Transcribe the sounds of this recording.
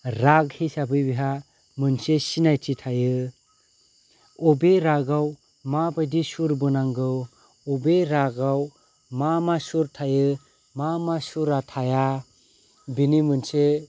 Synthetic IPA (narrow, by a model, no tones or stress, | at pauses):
ɾaɡhisabɯjbiɦa | mɯnsesinajtʰitʰajɯ | ɔbeɾaɡaw | mabajdisuɾbɯnaŋɡɯw | ɔbeɾaɡaw | mamasuɾtʰajɯ | mamasuɾatʰaja | binimɯnse